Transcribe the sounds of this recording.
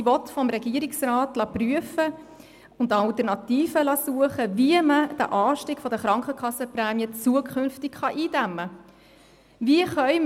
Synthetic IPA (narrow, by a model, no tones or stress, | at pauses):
ʋɔtfɔmɾɛɡ̥iəɾɪksrɑːtlɑpryəfə | ʊntɑltəɾnɑtiːfəlɑsuəχəviəməd̥æ̰ʔɑːʃtiːkfɔdəχɾɑŋkχəkʰɑsːəpɾɛːmjət͡suəkʰχʏnftɪkχɑʔiːd̥æmːə | viəχœʏ